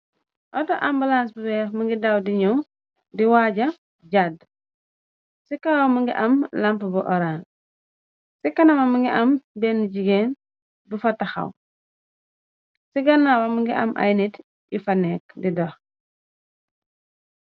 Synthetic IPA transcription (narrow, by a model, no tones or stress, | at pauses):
ʔɔtɔʔambulans̬bubɛfmɐŋɡidɐwdiɲɔw | diwaɟɐ | ɟad | sikawamuŋɡḭʔɐmlɐmpəbuʔɔɾan | sikɐnɐmɐmuŋɡiʔɐmbɛːniɟiɡen | bufɐtɐxɐ̰w | siɡɐnːawɐmuŋɡiʔɐ̰mʔa̰jnit | ifɐnɛk̚didɔx